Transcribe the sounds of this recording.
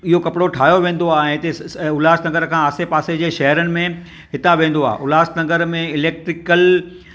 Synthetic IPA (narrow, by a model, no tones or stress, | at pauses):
ɪɦokɐpɪɽoʈʰaːjoʋẽːnd̪oaːɛ̃ːt̪esʊlaːsnɐ̃ŋɡəɾkʰãːaːsepaːsed͡ʑeːʃɐɦəɾənɪ̆mẽ | ɦɪt̪aʋẽːnd̪oa̰ːʔʊlaːsnɐ̃ŋɡəɾmẽɪleːk̚ʈɾɪkəl